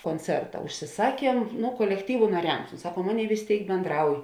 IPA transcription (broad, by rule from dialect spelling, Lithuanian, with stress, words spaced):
koːnʲˈt͡sʲɛrtɐ ʊʃʲsʲɪˈsɑːkʲiɛm ˈnʊ koːlʲɛkˈtʲiːʋʊ nɐˈrʲɛms ˈsɑːˌkuɔm ˈɑːˌnʲeːɪ ʋʲeːs ˈtʲeːɪk bʲɛnˈdrɐʊj